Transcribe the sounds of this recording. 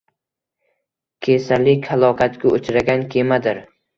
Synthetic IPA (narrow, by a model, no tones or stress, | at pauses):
kʲʰesalɪkʲhalˠɒkʰat̪kʲaot͡ʃʰɾaɡʲankʲʰemad̪ɪɾ